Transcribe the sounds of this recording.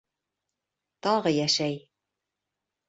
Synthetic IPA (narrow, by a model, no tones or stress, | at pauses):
t̪ɒʁɤjæʃæj